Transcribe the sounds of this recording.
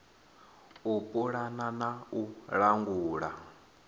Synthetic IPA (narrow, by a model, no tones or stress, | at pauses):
upʼuɺananauɺaŋɡuːɺa